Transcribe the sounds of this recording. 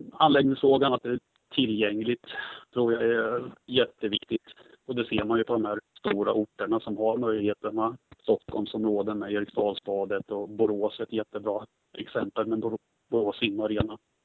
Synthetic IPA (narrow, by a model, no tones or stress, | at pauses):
anlɛːɡ̚nɪŋsfɾoːɡanat̪̚d̪ɛː | t̪ʰɪlːjɛŋːlɪɡt̪t̪ʰːɾuːɾjaɛjɛt̪ːəvɪkt̪ɪt̪ | ɔd̪ɛseːɾmanjɵpʰɔd̪ɔmhæɾst̪uːɾa̰ʔʊʈːəɳasɔmɦaɾmœʏjlɪɡheːt̪əɳast̪ɔkʰːɔlmsɔmɾoːd̪əmɛjɛɾɪkst̪ɑːlspɑːd̪ət̪ɔbʊɾoːsɛt̪jɛt̪ːəbɾɑː | ʔɛksɛmpəlmɛnbʊ | bʊɾoːsɪnːaɾeːna